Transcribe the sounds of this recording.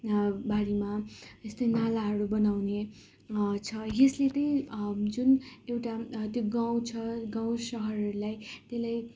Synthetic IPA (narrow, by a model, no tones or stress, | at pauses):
bʱaɾimaest̪ʌjnalaɦʌɾubʌnawne | t͡sʰʌjeslet̪ʌĩd͡zunewʈat̪joɡãw̃t͡sʰʌɡãw̃sʌɦʌrʌɾulajt̪elaj